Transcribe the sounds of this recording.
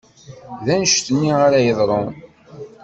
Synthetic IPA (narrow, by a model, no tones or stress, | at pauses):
ðænəʃt̪ənːiʁaɾajəðˤɾˤon